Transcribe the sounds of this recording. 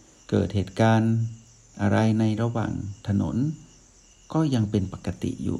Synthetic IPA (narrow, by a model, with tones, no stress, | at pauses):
kɤ̰ː˨˩t̪̚heː˨˩t̪̚kaː˧n | ʔa˧ɾa˧jna˧jɾa˧wa̰ː˨˩ŋt̪ʰa˧no̰˨˦n | kɔː˥˩ja˧ŋpe˧npa˨˩kːa˧t̪ḭ˨jṵː˨˩